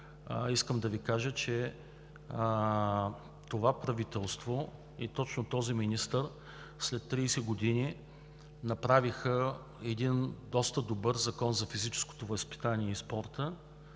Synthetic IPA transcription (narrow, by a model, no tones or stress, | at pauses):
iskəmd̪ɐvikaʒət͡ʃɛ | t̪ovapɾɐvit̪ɛlˠst̪vo | ɛt̪ɔt͡ʃnot̪ɔziminist̪əɾ | slɛt̪ːɾiːsɛɡod̪ini | nɐpɾavixə | ɛd̪ind̪ɔst̪əd̪obɤɾzɐkɔnzɐfizit͡ʃɛ̥sko̥t̪ovɐspi̥t̪aniɛispɔɾt̪ə